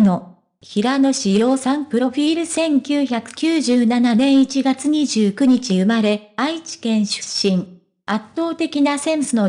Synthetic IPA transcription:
no̞ | çiɾano̞ɕijo̞ːsãmpɯ̟ɾo̞ɸʲiːɾɯ̟sẽ̞ŋkʲɨːçakɯ̟̥kʲɨːʑɨːnananẽ̞ɰ̃it͡ɕiɡat͡sɨɲ̟iʑɨːkɯ̟ɲ̟it͡ɕiɯ̟maɾe̞ait͡ɕi̥kẽ̞ɰ̃ɕɨ̥ɕːĩŋ | at̪ːo̞ːt̪e̞kʲinasẽ̞m̃sɨno̞

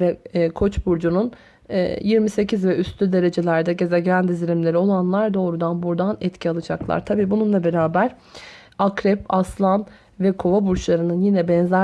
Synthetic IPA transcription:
vɛkʰo̞t͡ʃbuɾd͡ʒunun̰ː | jiɾmise̞cʰizvɛyst̪ʰyd̪e̞ɾe̞d͡ʒe̞lʲæɾd̪ɛɟe̞zɛɟɾænd̪iziɾimlʲe̞ɾio̞lˠanlˠaɾd̪o̞ːɾud̪anbuɾd̪anɛt̪cʰialˠɯd͡ʒaklˠa̰ɾt̪ʰabiːbununlˠabe̞ɾaːbæɾ̥ | akɾɛpaslˠan | vɛkʰo̞vabuɾt͡ʃlˠaɾɯnɯnjinɛbɛnzæ

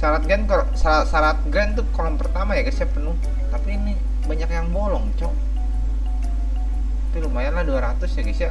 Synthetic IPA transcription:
saɾat̪̚ɡɛnk | saasaɾat̪̚ɡɾɛnt̪ukolɔmpərt̪amajaɡasiapənuh | t̪apiːni | baɲakjaŋbolɔŋt͡ʃɔ | dilumajanlahduaɾat̪ʊsjaɡasia

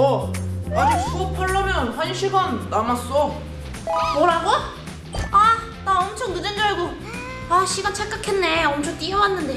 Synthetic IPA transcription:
ʌad͡ʑusʰuopʰaɭːʌmjʌnhaɲiɕʰiɡanːamas͈ʌ | moɾaɡo | a | taʌmt͡ɕʰʌŋnɯnend͡ʑaeɡo | aɕʰiɡant͡ɕʰak͈akʰenːe̞ʌmt͡ɕʰot͈iʌwanːɯnde

